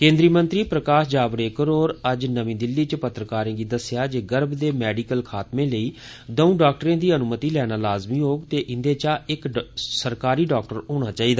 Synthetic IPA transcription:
kẽːnd̪ɾiːmə̃nt̪ɾiːpɾəkaːʃd͡ʒaːbɾeːkəɾoːɾəd͡ʒnəʋĩːd̪ɪlːiːt͡ʃpət̪ɾəkaːɾẽːɡiːd̪əsjaːd͡ʒeːɡəɾbd̪eːmɛːɖiːkəlkʰaːt̪mẽːləiː | d̪əũːɖaːk̚ʈɾẽːd̪iːənʊmət̪iːlɛːnaːlaːzmiːɦoːɡt̪eːʔɪ̃nd̪eːt͡ʃaːɪksəɾkaːɾiːɖaːk̚ʈəɾoːɽ̃aːt͡ʃaːiːd̪aː

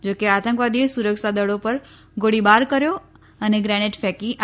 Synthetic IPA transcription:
d͡ʒoːkeat̪ə̃ŋkʋaːd̪iesuɾəkʃad̪əɽopɐɾ | ɡoɽibaːɾkəɾjo | ɐneɡɾɛnɪʈfɛkiʔ

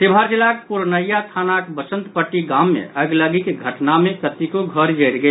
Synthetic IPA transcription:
t̪ebʱaɾt͡ʃilakpuɾnəjat̪ʰanakbəsə̃nt̪pəʈːiɡãmːḛəɡləɡikɡʱəʈnamẽkət̪ikoɡʱəɾd͡ʒəɾɡe

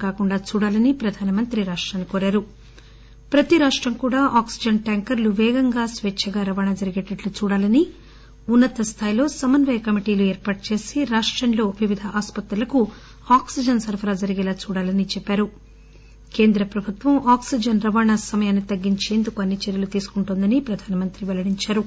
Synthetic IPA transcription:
kaːkuɳɖaːt͡ʃuːɽaːlɐnipɾɐd̪ʱaːnɐmɐnt̪ɾiɾaːʂʈɾaːnːikoːɾaːɾu | pɾɐt̪iɾaːʂʈɾɐmkuːɽaːʔaːksid͡ʒɐnʈaːŋkɐɾluʋɛːɡɐŋɡaːsʋɛt͡ʃʰɐɡaːɾɐʋaːɳaːd͡ʒɐɾiɡɛʈnɐʈlut͡ʃuːɽaːlɐni | unːɐt̪ɐst̪ʰaːjilo̞ːsɐmɐnʋɐjɐkɐmiʈiːluɛːɾpaːʈɐt͡ʃe̞ːsiɾaːʂʈɾɐnlo̞ːʋiʋid̪ʱɐʔaːspɐt̪ɾɐlɐku | aːksid͡ʒɐnsɐɾpʰɐɾaːd͡ʒɐɾiɡɛːlaːt͡ʃuːɽaːlɐnit͡ʃɛpːaːɾu | ke̞ːnd̪ɾɐpɾɐbʱut̪ʋɐmaːksid͡ʒɐnɾɐʋaːɳaːsɐmɐjaːnːit̪ɐɡːiɲt͡ʃe̞ːnd̪ukuɐnːit͡ʃeɾjɐlut̪iːsu̥kuɳʈuːnd̪ɐnipɾɐd̪ʱaːnɐmɐnt̪ɾiʋɛlɐɽiɲt͡ʃaːɾu

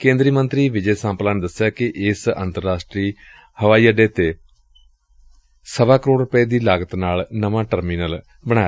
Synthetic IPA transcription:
kẽːnd̪ɾiːmənt̪ɾiːʋɪd͡ʒɛːsãːmplaːnd̪əsːɪjaːkɪʔɪsə̰̃nt̪əɾːaːsʈɾiː | həʋaːiːəɖeːt̪eː | səbaːkəɾoːɽɾʊpəeːd̪iːlaːɡət̪naːlnəʋãːʈəɾmiːnəl | bəɽ̃aːja

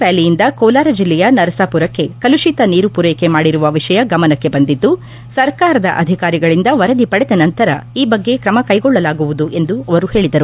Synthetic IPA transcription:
paːlijind̪ɐkɔːlaːɾɐd͡ʒilːɛjɐnɐɾɐsaːpuɾɐkːe̞kɐluʃit̪ɐniːɾupuɾeːjkemaːɽiɾuʋɐʋiʂɐjɐɡɐmɐnɐkːe̞bɐnd̪id̪ːu | sɐɾkaːɾɐd̪ɐ̰ʔɐ̰d̪ʱikaːɾiɡɐɭind̪ɐʋɐɾɐd̪ipɐɽɛd̪ɐnɐnt̪ɐɾɐ̰iːbɐɡːe̞kɾɐmɐkɐjɡɔɭːɐlaːɡuʋud̪uʔe̞nd̪uɐʋɐɾuhe̞ːɭid̪ɐɾu

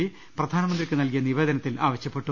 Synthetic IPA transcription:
i | prɐd̪ʱaːnɐmɐnd̪rikːɨnɐlkijɐniʋe̞ːd̪ɐnɐt̪ːila̰ːʋɐɕjɐpːe̞ʈːu

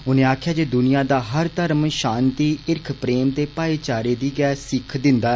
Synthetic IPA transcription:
ʊnẽːaːkʰjaːd͡ʒeːd̪ʊnɪjãːd̪aːɦəɾt̪əɾmʃãːnt̪iːʔɪɾkʰpɾeːmt̪eːpaːiːt͡ʃaːɾeːd̪iːɡɛːsɪkʰd̪ɪnd̪aː

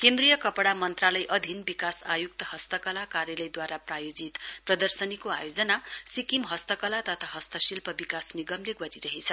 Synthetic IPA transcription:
kend̪rijʌkʌpɽamʌnt̪ralʌjʔʌd̪ʱinbikasajuk̚t̪ʌɦʌst̪ʌkʌlakaɾjʌlʌjd̪waɾaprajod͡zit̪prʌd̪ʌrsʌnikoa̰jod͡zʌnasikimɦʌst̪ʌkʌlat̪ʌt̪ʰaɦʌst̪ʌsilpʌbikasniɡʌmleɡʌɾiɾʌɦet͡sʰʌ

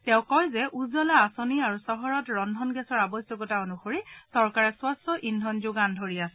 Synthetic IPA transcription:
tɛʊ̃kɔjzɛʔuzɔlaːsoniaɹusɔɦɔɹɔtɹɔndʱɔnɡɛsɔɹabɔsjɔkɔtaonuxoɹisɔɹkaɹɛswɔstɔʔindʱɔnzʊɡandʱoɹiasɛ

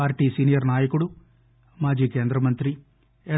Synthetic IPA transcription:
aːɾʈiːsiːnijɐɾnaːjɐkuɽu | maːd͡ʒiːkeːnd̪ɾɐmɐnt̪ɾi | e

